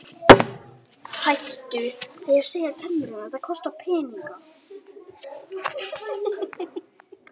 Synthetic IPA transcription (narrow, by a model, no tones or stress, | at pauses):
hajht̪ʏɛðjɛɣseːjat̪ʰɛnːʏɾunaðθaðkʰɔst̪awpʰɛːniŋka